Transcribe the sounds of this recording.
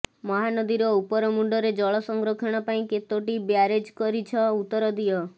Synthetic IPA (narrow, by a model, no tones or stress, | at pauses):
mɔɦanɔd̪iɾɔupɔɾɔmuɳɖɔɾed͡ʒɔɭɔsɔŋɡɾɔkʰeɽ̃ɔpaĩket̪oʈibjaɾed͡ʒkɔɾit͡ʃʰɔut̪ːɔɾɔd̪ijɔ